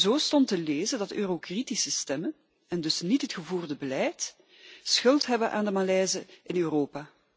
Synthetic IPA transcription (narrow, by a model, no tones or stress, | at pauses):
zoːstɔntəleːzəndɑtøːrokritisəstɛmən | ɛndɵsnitɦətxəvuːrdəbəlɛjt | sxɵlˠtɦɛbənʔa̰ːndəmalɛjzəɪnøːroːpaː